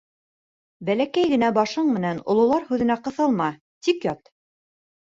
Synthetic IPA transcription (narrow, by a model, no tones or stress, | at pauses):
bælækæjɡɘ̆næbɑʃɤɴmɘ̆nænŏlˠŏwlˠɑɾhʉðɘ̆næqɤ̆θɤ̆lˠmɑ | t̪ikjɑt̪